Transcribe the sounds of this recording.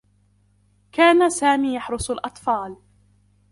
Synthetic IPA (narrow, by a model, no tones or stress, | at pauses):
kaːnasaːmiːjaħɾʊsˤʊlʔɑt̪ˤfɑːl